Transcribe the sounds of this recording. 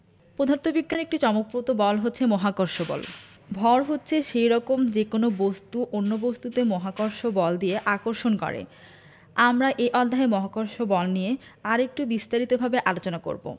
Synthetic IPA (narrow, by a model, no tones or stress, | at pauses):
pɾod̪ʱaɾt̪obikːanek̚ʈit͡ɕɔmok̚pɾot̪obɔlɦotːɕʰemɔɦakoɾʃobɔ̰l | bʱɔɾɦotːɕʰeʃejɾɔkomd͡ʑekonobost̪uʔonːobost̪ut̪emɔɦakoɾʃobɔld̪ieʔakoɾʃonkɔ̰ɾḛ | amɾaʔeʔɔd̪ʱːaɦemɔɦakoɾʃobɔlnijeaɾek̚ʈubist̪aɾit̪obʱabeʔalot͡ɕonako̰ɾbo̰